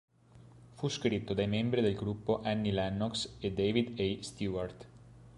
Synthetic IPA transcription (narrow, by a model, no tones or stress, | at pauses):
fuskɾit̪ːod̪ajmembɾid̪elɡɾupːoʔɛnːilɛnːɔksed̪eːvid̪ejst̪juart̪